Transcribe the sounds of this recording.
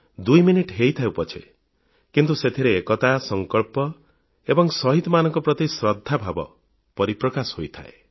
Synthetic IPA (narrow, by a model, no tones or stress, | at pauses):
d̪ujminiʈɦejt̪ʰaewpɔt͡ʃʰe | kint̪uset̪ʰiɾeːkɔt̪asɔŋkɔɭpɔ | ebɔŋsɔɦit̪ɔmanɔŋkɔpɾɔt̪isɾɔd̪ʱːabʱabɔ̰ | pɔɾipɾɔkashojt̪ʰa̰e